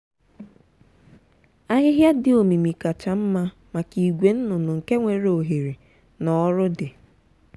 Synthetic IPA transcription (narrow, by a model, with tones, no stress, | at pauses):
a˦ɦɪ˦ɦja˦dɪ˦o˨mi˨mi˨ka˨t͡ʃa˨m̩˦ma˦ | ma˨ki˨ɡʷe˨n̩˦nʊ˨nʊ˨ŋ̩˨ke˦ŋʷe˨ɾe˨˦o˨ɦe˨ɾi˨ | nɔ˨˦ɾʊ˦dɪ˨